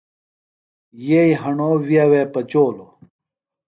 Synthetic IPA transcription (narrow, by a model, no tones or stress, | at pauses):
jeiɦɐɳoːwiaweːpɐt͡ɕoːlo